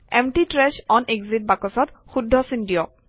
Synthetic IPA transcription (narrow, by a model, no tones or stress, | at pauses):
ɛmʈitɹɛʃɔnʔekzit̚bakɔsɔtxudʱːɔsindijɔ